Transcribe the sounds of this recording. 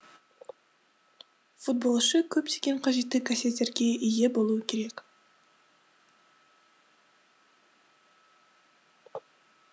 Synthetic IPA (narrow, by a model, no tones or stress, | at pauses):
fut̪̚bo̞lˠʃəkʲʰɵp̚t̪ʰeɡʲeɴqʰɑʒe̞t̪ːɪkʰase̞t̪ːe̞ɾɡʲe̞ʔije̞bo̞lˠuəkʲʰe̞ɾe̞k